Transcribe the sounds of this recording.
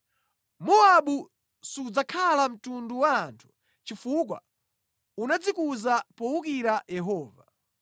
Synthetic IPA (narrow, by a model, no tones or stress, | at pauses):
mɔaɓu | sud͡zakʰalam̩tunduwaːntʰu̥ | t͡ʃifukwa̰ | unad͡zikuzapɔwukiɾajɛɦɔːva